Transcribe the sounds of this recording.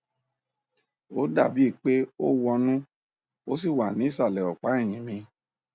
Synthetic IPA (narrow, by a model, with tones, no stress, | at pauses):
o˦da˦˨bi˨˦i˦˨k͡pe˦o˦wɔ˧nũ˦ | o˦s̬i˦˨wa˨nĩ˨˦˨sa˦˨lɛ˨ɔ˨k͡pa˨˦i˦˨j̃ĩ˨mĩ˧